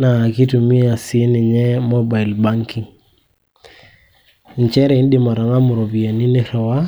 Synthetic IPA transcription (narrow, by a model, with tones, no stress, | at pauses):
na˨ki˦tu˨mi˦a˨sɪ˨e˦nɪ˨ɲɛ˦mɔ˦ba˨i˨lba˦ŋki˨ŋ˨ | n˨t͡ʃɛ˦ɾɛ˨ɪ˦n˦dɪ˨ma˨ɾa˨ŋa˦mʊ˨ɾo˨bi˨a˨ni˦ne˦ɾɔ˨wa˦